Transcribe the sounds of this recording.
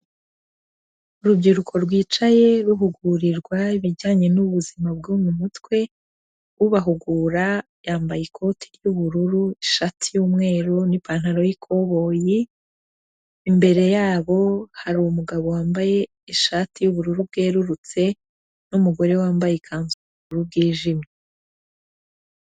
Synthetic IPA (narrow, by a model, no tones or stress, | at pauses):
uɾubɟiɾukʰo̞ɾɡwiːt͡ʃaje̞ɾuɦuɡuɾiɾɡwaiβiɟaːɲe̞nuβuzimab̚ɡuːmumutwe̞ | uβaɦuɡuɾa | jaːmbajikʰo̞tʰi̥juβuɾuɾuiʃatʰijuːmŋe̞ːɾunipaːn̥aɾo̞jikʰo̞βo̞ːji | mbe̞ɾe̞jaːβo̞haɾiwumuɡaβowaːmbaje̞ | iʃatijuβuɾuɾub̚ɡe̞ːɾuɾut͡se̞ | numuɡo̞ɾe̞waːmbajekʰaːnzuuβuɾuɾub̚ɡiːʒime